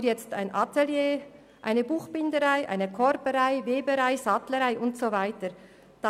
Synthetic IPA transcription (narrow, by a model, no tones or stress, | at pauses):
jɛt͡sta̰ɪnʔɑtɛljeː | ʔa̰ɪnəbuːxb̥ɪndəɾaɪʔa̰ɪnəkʰɔɾbəɾaɪveːbəɾaɪzɑtləɾaɪʔʊntsovaɪtəɾ | d̥ɑ